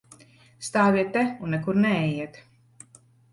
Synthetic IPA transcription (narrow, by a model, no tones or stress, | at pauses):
st̪aːvʲiɛt̪ːɛunnɛkuɾnɛɛjit̪